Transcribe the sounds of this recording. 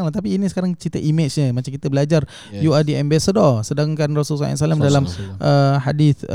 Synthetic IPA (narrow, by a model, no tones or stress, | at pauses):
ŋlat̪ap̬iːnisə̥kaɾaŋt͡ʃit̪əʔimat͡ʃɲəmat͡ʃamkit̪əbəlad͡ʒar | juadiʔɛmbasadɔrsədaŋkanrɔsulsɔ̰a̰salamdalamʔəhadiθ